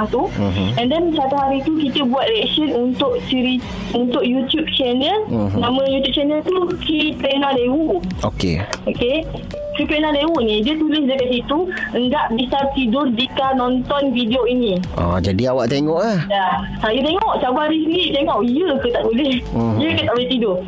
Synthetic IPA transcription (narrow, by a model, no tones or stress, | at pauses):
aht̪uɛ̃ndɛnsat̪uɦaɾit̪ukit̪əbuat̪̚riɛk̚sənunt̪ʊʔt͡ʃiɾi | unt̪ʊʔ̚jut̪jup̚t͡ʃɛnəlnãmə̃jut̪jup̚t͡ʃɛnəlt̪ukɾiplenalewuʔo̰kḛoke | kɾiplenalewuʔnĩdiət̪ulɪs̬dəkaʔ̪̚sit̪uəŋɡaʔbisart̪idʊrdikanɔ̃nt̪ɔnvidioinĩɔ̰d͡ʒadiawaʔt̪eŋɔʔahja | ajut̪eŋɔʔt͡ʃabaɾisɡit̪eŋɔʔiəkət̪aʔulɛsijəkət̪aʔbulɛht̪idʊr